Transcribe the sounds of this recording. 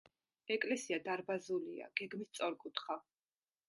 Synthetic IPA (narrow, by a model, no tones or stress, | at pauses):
ɛkʼlɛsiad̪aɾbazulia̰ɡ̥ɛɡmist̪sʼɔɾkʼut̪ʰχa